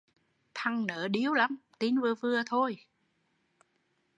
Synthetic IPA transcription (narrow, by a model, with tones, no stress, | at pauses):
t̪ʰa˧ŋnəː˨˩˦ɗi˨˦əwla˨˦mt̪i˨˦nvɨ˨˧˩əvɨ˧ət̪ʰo˧j